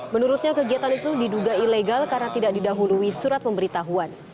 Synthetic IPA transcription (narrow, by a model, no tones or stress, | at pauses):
mənuɾʊt̪̚ɲakəɡiat̪anit̪udiduɡaileɡalkarənat̪idak̚didaɦuluisuɾat̪̚pəmbəɾit̪aɦuan